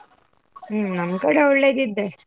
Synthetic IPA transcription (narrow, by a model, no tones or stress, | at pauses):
nɐmkɐɽeuɽleːd̪id̪ːe